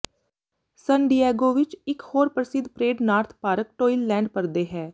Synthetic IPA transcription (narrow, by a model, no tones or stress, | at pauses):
sənɖijɛːɡoːʋɪt͡ʃɪkhoːɾpəɾəsɪd̪pɾeːɖnaːɾt̪ʰpaːɾək̚ʈoːilːɛ̃ːɳɖpəɾd̪eːɦɛː